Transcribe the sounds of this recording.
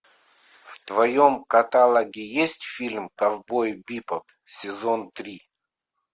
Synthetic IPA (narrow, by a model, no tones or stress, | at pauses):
ft̪vɐjomkɐt̪alˠɐɡʲɪjesʲtʲfʲilʲmkɐvbojbʲipəp | sʲɪzont̪ɾʲi